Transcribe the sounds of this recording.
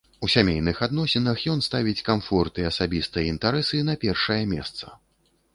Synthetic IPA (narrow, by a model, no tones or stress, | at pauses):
usʲamʲejnɨxad̪nɔsʲɛnɐxjɔn̪st̪avʲit͡sʲkamfɔrt̪iɐsabʲist̪ɨjɛint̪aɾɛsɨnɐpʲɛrʂɐjɐmʲɛ̰st̪sɐ̥̰